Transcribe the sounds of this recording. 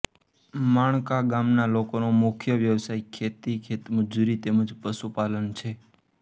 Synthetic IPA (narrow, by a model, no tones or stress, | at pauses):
maɳ̃kaɡamnalokonomʊkʰjəʋjəʋsaikʰːet̪ikʰet̪məd͡ʒuɾit̪eməd͡ʒpəsupalənt͡ʃʰe